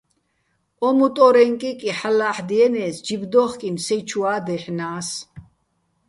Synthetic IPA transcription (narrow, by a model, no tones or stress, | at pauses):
ɔmut̪ʼɔɾɛŋkʼikʼiħalaħd̪iɛnɛːsd͡ʒibd̪ɔχkʼimsɛt͡ʃʰuaːd̪ɛħnaːs